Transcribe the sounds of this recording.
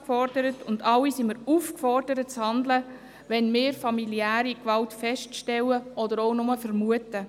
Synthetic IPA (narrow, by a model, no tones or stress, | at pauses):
kfɔrd̥əɾətʊndɑlːisiməɾufkfɔrd̥əɾət̚t͡shɑndlə | ʋɛnmɪːɾfɑmiliæːɾikʋɑltfɛʃtʃtɛwəɔdəɾɔwnʊməfəɾmuətə